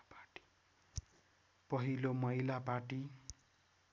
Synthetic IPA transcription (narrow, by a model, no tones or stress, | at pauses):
paʈi̥ | pʌɦilomʌɦilapaʈi